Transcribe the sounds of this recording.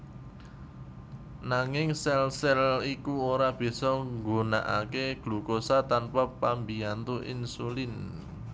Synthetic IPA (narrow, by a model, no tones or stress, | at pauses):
naŋɪŋsɛlsɛlikuoɾab̥i̤sɔŋɡona̰ʔa̰keɡ̥lṳkosat̪anpapambiant̪uʔḭnsulɪn